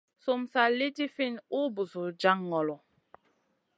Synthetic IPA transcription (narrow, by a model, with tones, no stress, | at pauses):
su˨msa˨li˦ti˦fi˦˨nu˦bu˨su˨d͡ʒa˦ŋːɔ˨lɔ˨